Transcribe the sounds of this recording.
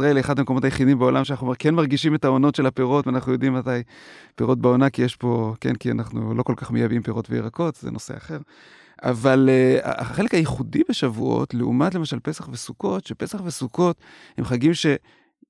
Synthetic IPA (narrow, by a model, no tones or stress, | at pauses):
ʁaeleχad̪amekoo̞t̪ajeχidimbeolamʃeanaχuomekenmaʁɡiʃimetao̞no̞tʃe̞lapeʁo̞tvanaχnujo̞d̪imːatajpeʁo̞t̚beo̞nakijeʃpo̞kḛnkia̰naχnṵlo̞ko̞lkaχmejabimpeʁo̞tveḭʁako̞tzḛnʔo̞se̞̰aχe̞ʁ | ʔa̰valea̰aχe̞le̞khajeχudibeʃavuo̞̰tleṵmatle̞maʃalpe̞saχvesuko̞tʃepe̞saχvesuko̞t | hemχaɡimʃe̞